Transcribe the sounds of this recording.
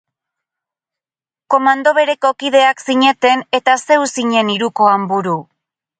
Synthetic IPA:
ko̞mand̪o̞βe̞ɾe̞ko̞kið̞e̞aksiɲe̞t̪e̞ne̞t̪ase̞wsiɲe̞niɾuko̞ambuɾu

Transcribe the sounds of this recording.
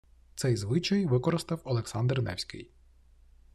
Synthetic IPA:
t̪sɛjzʋɪt͡ʃɐjʋɪkɔɾɪst̪ɐwɔlˠeksɑnd̪rnɛ̰wsʲkɪ̰j

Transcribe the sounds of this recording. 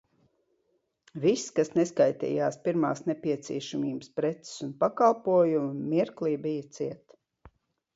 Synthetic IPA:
visːkasneskajt̪ɛ̰ːjaːspiɾmaːsnɛpʲiɛt̪siɛʃamiːbəspɾɛt̪sɪ̥sunpakalˠpuɔjumɐːiɾklˠiːbijət̪siɛt̪

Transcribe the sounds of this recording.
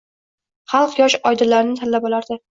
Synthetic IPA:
χɑlˠqjɒʃɒjd̪ɪlːaɾɪnɪt̪ʰalːabɒlˠaɾd̪ɪ

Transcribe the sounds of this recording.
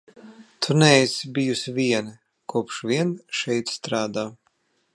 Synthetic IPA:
t̪ʰunɛsbijusvʲiɛnɨ | kuɔpʃvʲiɛnʃɛjt̪st̪ɾaːd̪aː

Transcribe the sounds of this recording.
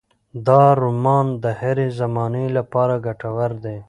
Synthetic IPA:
d̪ɑːɾumɑːnd̪əheɾezamɑːnelapɑːɾaɡaʈawaɾd̪eː

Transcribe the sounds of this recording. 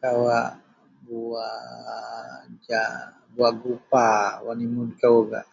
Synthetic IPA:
kawa | bua | d͡ʒa | buaʔɡupawanimunkawoɡa̰ʔ

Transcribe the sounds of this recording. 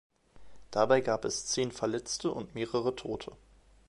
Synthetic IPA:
d̥abaɪɡaːpɛst͡seːnfɛɐlɛt͡stəʔʊ̰ntmeːʁəʁ̞ətʰoːtʰə

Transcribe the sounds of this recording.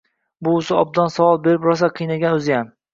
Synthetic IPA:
bʊːsɪɒb̚d̪ɒnsavɒlˠbe̞ɾɪpɾɒs̬aqʰɨjnaɡʲanɵzɪjam

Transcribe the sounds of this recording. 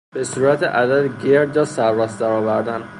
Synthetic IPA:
b̥esuːɾæt̪ʰeʔæd̪æd̪ɟeɾd̪ɒsæɾːæsd̪æɾɒːvæɾd̪æn

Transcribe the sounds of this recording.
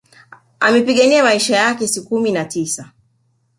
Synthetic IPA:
amɛpiɠaniamaiʃajakɛsikuminatisa

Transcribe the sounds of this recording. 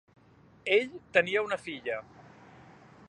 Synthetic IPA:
eʎt̪əniəunəfiʎə

